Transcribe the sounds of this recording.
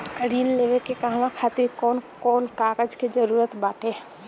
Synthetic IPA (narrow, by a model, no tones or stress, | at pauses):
ɾiːnleːʋekekaɦñãkʰaːt̪ikɔːnkɔːnkaːkəd͡ʒked͡ʒəɾuːɾət̪baːʈʰe